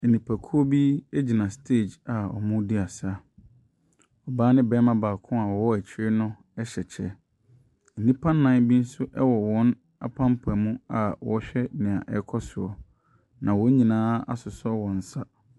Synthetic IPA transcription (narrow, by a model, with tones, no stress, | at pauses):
n̩˨nĩ˨pʰa˨kʰu˦o˦bi˦e˦d͡ʑi˨nã˨stʰe˦˨d͡ʑa˨ɔ̰˨mʊ̃˦di˦a˨sa˦ | ɔ˨baː˦nɪ̃˦bɛ˦mã˦baː˨kʰʊ̃˦a˨wɔ˨wɔ˦æ˨t͡ɕʰɪ˦ɾɪ˦nʊ̃˦ | ɛ˦ɕɛ˨t͡ɕʰɛ˦ | n̩˨nĩ˦pʰã˦nːã˦nbi˦n̩˦sʊ˦ʔɛ˦wɔ˨wɔ̃˨˦n | a̰˨pʰã˦mpʰʊ˨ɛ˨mũ˦a˨wɔ˨ɕᶣɛ˦nɪ̃˨a̰˨ʔɛ̰˦kʰɔ˦sʊ˨ɔ˨ | nã˨wɔ˦ɲĩ˨nãː˦a̰˦sʊ˨sɔ˦wɔ̃˨n̩˨sa˦